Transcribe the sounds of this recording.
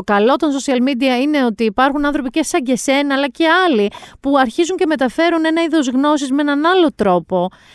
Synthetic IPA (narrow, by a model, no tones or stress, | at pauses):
okɐlo̞t̪onso̞siɐlmid̪iɐine̞o̞t̪iːpɐɾxunɐ̃nθɾo̞pice̞sɐɟese̞nɐɐːlɐce̞ɐlipuɐɾçizuɲce̞me̞t̪ɐfe̞ɾune̞nɐiðo̞zɣno̞sizmeenɐnɐlo̞t̪ɾo̞po̞